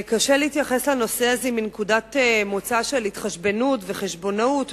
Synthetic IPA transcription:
kaʃeleitjaχeslano̞seaziminekudatmot͡saʃe̞lit̪χaʃbe̞nutve̞χeʃbo̞naut

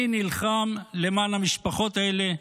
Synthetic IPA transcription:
inilχamle̞maːnhamiʃpaχo̞t̪ae̞le̞

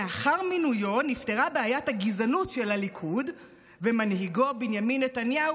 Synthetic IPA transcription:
eaχaʁminujo̞nifte̞ʁabeajathaɡizanutʃe̞lalikʰud | vemanɦiɡo̞binjaminːetanjau

